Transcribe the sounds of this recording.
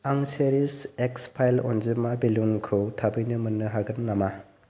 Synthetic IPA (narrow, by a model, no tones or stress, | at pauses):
aŋseɾisekspʰajlɔ̰nzɯmabelunkʰɯtʰabɯjnɯmɯnːɯɦaɡɯnːama